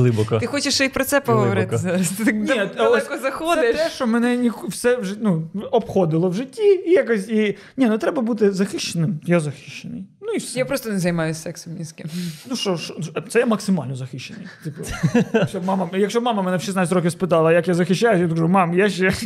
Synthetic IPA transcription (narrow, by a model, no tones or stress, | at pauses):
lˠɪbɔkɐt̪ɪxɔt͡ʃɪʃt͡ʃɔipɾɔt̪sɛpɔɦɔʋɔɾɪt̪ɪzaɾɐst̪ɪt̪ɪknʲiɐlˠɛkɔzɐxɔd̪ɪɛt̪ɛʃt͡ʃɔmɛnɛnʲikwsɛwʒɪnuɔpxɔd̪ɪlˠɔwʒɪtʲːiijakɔsʲi | nʲinʊt̪ɾɛbɐbut̪ɪzɐxɪʃt͡ʃenɪmjazɐxɪ̥ʃt͡ʃːenɪjnuisjapɾɔst̪ɔnezɐjmɑjʊsɛksmʲinʲsʲkʲɪmnuʃɔʃɔt̪sɛjamɐksɪmɑlʲnɔzɐxɪʃt͡ʃːenɪjt̪ɪpɐʃt͡ʃɔbmɑmɐjɐkʃt͡ʃɔbmɑmɐmɛnɛʃisnɑtʲt͡sʲtʲɾɔkʲɪwspɪt̪ɑlˠɐjɐkjazɐxɪʃːajʊsʲjakɐʒumɑmjaʃt͡ʃɛ